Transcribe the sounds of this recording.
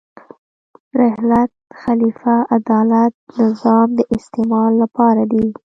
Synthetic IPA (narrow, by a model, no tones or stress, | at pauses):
ɾɪhlat̪̚xalifaʔad̪ɑlat̪̚nɪzɑmd̪əʔɪst̪emɑlːapɑɾad̪i